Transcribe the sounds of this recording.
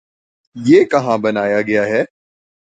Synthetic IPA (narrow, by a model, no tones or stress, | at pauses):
jeːkɐɦãbɐnaːjaɡɐjaɦɛː